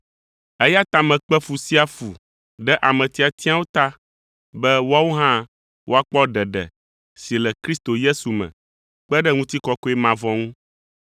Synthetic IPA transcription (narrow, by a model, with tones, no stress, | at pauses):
ɛ˦ja˦t̪a˦mɛ̃˨k͡pɛ˦fu˨si˦a˦fu˨ | ɖɛ˦ʔa˨mɛ̃˨t̪i˨a˨t̪i˦a˦wo˦t̪a˦ | bɛ˦wo˦a˦wo˦ɦã˦ | wʔo˦a˦k͡pɔ˦ɖɛ˨ɖɛ̰˨ | si˨lɛ˨kɾi˦st̪o˨je˦su˨mɛ̰̃˨ | k͡pɛ˦ɖɛ˦ŋũ˦t̪i˦kɔ˦kɔ˦ɛ˦mã˨vɔ̃˦ŋũ˦